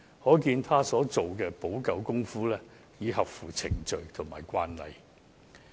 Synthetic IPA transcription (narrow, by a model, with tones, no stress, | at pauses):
hɔː˨˥kiː˧nt̪ʰaː˥sɔː˨˥t͡so˨wkɛː˧po˨˥wkɐ˨˧wkʊ˥ŋfuː˥lɛː˥ | jiː˨˧ɦɐ˨p̚fuː˨˩t͡sʰɪ˨˩ŋt͡ʃɵ˨˧ɥt̪ʰʊ˨˩ŋmaː˨˩jkʷwaː˥nlɐ̰˨j